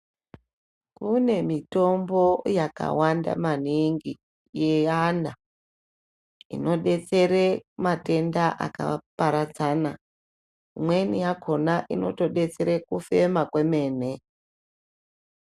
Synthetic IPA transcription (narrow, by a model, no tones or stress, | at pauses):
kune̞mito̞mbo̞jaka̰wanda̰maniŋɡi | jeana | ḭno̞ɗe̞t͡se̞ɾemate̞ndaʔa̰ka̰paɾat͡sana | mwe̞nijako̞naʔino̞̰to̞ɗe̞t͡se̞ɾekufe̞makwe̞me̞ːne